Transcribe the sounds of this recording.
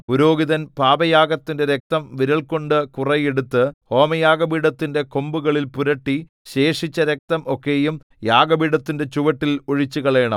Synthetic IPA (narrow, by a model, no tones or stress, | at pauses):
puɾo̞ːɡiðɐnpaːbɐjaːɡɐt̪ːinde̞ɾek̚t̪ɐmʋiɾɐɭko̞ɳɖɨkurɐjeɽut̪ːɨho̞ːmɐjaːɡɐbiːɽɐt̪ːinde̞ko̞mbuɣɐɭilpuɾɐʈːi | ɕe̞ːʂit͡ɕːɐɾek̚t̪ɐmo̞kːe̞ːjum | jaːɡɐbiɽɐt̪ːinde̞t͡ɕuʋɐʈːiloɻit͡ɕːuɣɐɭe̞ːɳɐ̰m